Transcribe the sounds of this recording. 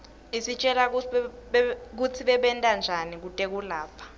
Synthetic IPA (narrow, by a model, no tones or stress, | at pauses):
isit͡ʃʼɛla | k̬ut͡sʰiɓɛɓɛntʼand͡ʒʱanik̬utʼek̬ulaːpʰḁ